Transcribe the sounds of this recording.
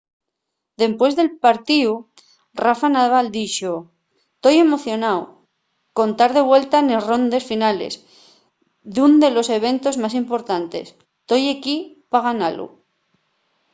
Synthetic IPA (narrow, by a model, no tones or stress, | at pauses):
d̪e̞mpwe̞zðe̞lpaɾt̪iu | rafanaðβald̪it͡ʃo | t̪o̞je̞mo̞θjo̞naw | ko̞nt̪aɾð̞e̞βwe̞lt̪anesro̞nd̪e̞sfinalḛs | ðund̪e̞lo̞se̞β̞e̞nt̪o̞zmasimpo̞ɾt̪ant̪e̞̰s | t̪o̞jeki | paɣanalṵ